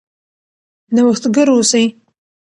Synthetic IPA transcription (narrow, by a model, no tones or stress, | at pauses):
nawəxt̪ɡəɾosaj